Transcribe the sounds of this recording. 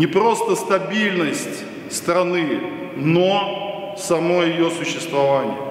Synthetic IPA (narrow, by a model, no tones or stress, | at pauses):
nʲɪpɾo̞st̪əst̪ɐbʲilʲnəsʲtʲ | st̪ɾɐnɨ | no | sɐmo̞jɪjosʊɕːɪst̪vɐvanʲɪ̰jə̰